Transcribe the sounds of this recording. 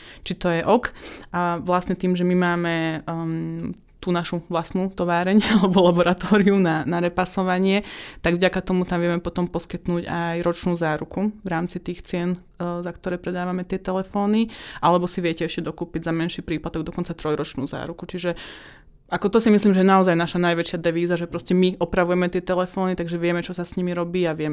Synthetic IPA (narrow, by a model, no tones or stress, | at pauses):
t͡ʃit̪ɔjɛʔɔkaʋlasɲɛt̪iːmʒɛmimaːmɛ | t̪uːnaʃuʋlast̪nuːt̪ɔʋaːɾɛɲalɛbɔlabɔɾat̪ɔːɾiunanaɾɛpasɔʋaɲɪɛt̪aɡvɟakat̪ɔmut̪amʋɪɛmɛpɔt̪ɔmpɔskit̪nuːɟajɾɔt͡ʃnuːzaːɾukuʋɾaːmt͡sit̪iːxt͡sɪɛn | zakt̪ɔɾɛːpɾɛd̪aːʋamɛt̪ɪɛt̪ɛlɛfɔːniʔalɛbɔsiʋɪɛcɛɛʃcɛd̪ɔkuːpiɟzamɛnʃiːpɾiːplat̪ɔɡ̚d̪ɔkɔnt͡sat̪ɾɔjɾɔt͡ʃnuːza̰ːɾukut͡ʃiʒɛ | ʔakɔt̪ɔsimisliːmʒɛjɛnaɔzajnaʃanajʋɛt͡ʃɪad̪ɛʋiːzaʒɛpɾɔscɛmiʔɔpɾaʋujɛmɛt̪ɪɛt̪ɛlɛfɔːnit̪aɡʒɛʋɪɛmɛt͡ʃɔsasɲimiɾɔbiːaʋɪɛmɛ